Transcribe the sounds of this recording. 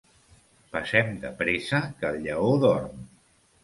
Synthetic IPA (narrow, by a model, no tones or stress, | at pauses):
pəsɛmd̪ə̰pɾesəkəlʎəoðɔrm